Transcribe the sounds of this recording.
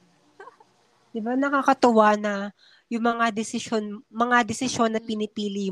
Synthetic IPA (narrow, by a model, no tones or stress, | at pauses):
d̪̥ɪbanɐkakɐt̪ʊwanɐ | jʊŋmɐŋad̪ɪsɪʃo̞nmɐŋad̪ɛsɪʃo̞nːɐpɪnɪpiːlɪjʊ